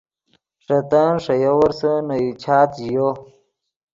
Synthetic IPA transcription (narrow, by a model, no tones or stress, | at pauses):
ʂɐt̪anʂɐjowɐɾsənɐjit͡ɕʰaːt̪jo